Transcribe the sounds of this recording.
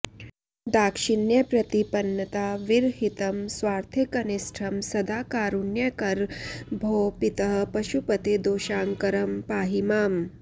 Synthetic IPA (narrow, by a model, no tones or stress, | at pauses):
d̪aːkʃinjɐpɾɐt̪ipɐnːɐt̪aːʋiɾɦit̪ɐmsʋaːɾt̪ʰjekɐnisʈʰɐmsɐd̪aːkaːɾunjɐkɐɾbʱoːpit̪ɐɦpɐʃupɐt̪eːd̪oːʃaːŋkɐɾɐmpaːɦimaːm